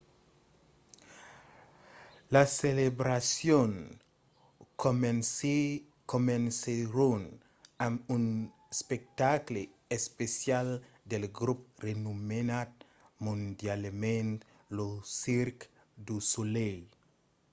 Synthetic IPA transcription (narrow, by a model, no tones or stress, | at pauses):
laselebɾasjon | komenseɾon | amun | spek̚t̪akle | espesjal | d̪elɡɾuprenumenat̪̚ | mũnd̪jalmẽnt̪ | losiɾk | d̪usulej